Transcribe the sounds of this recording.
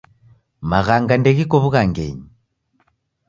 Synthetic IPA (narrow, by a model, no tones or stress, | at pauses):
maɣaŋɡandɛɣikɔβuɣaŋɡɛ̰ɲi